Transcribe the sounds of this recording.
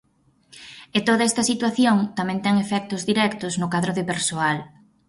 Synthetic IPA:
et̪oðɐɛst̪ɐsit̪waθjoŋt̪amɛ̃nt̪ɛŋefɛk̚t̪ʊzðiɾɛkt̪ʊznʊkaðɾʊðɪpeɾsoal

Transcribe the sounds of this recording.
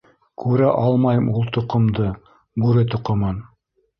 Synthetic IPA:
kʰʉɾæʔɑlˠmɑjɤmulˠt̪ŏqŏmd̪ɤ | bʉɾɘt̪ŏqŏmɤn

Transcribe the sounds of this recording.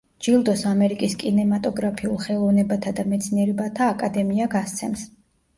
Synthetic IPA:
d͡ʒilˠd̪ɔsamɛɾikʼiskʼinɛmat̪ʼɔɡɾapʰiulˠχɛlˠɔvnɛbat̪ʰad̪amɛt̪sʰniɛɾɛbat̪ʰaːkʼad̪ɛmiaɡast̪sʰɛ̰ms

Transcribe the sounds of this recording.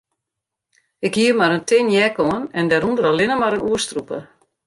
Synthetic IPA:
ɪkhiəmaɾəntʰɪnjɛkoənɛndɛɾundəɾalɪnəmaɾənuəstrupə̰

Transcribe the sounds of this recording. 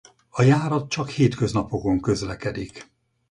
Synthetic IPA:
ɒjaːɾɒt̪̚t͡ʃɒkheːt̪kø̞znɒpo̞ko̞ŋkø̞zlɛkɛd̪ik

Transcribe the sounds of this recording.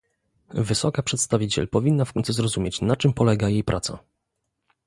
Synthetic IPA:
vɘsɔkapʂɛt̪st̪avʲit͡ɕɛ̰lpɔvʲinːafkɔnt̪suzɾɔzumʲjet͡ɕnat͡ʂɘmpɔlɛɡajejpɾʔat̪sa̰

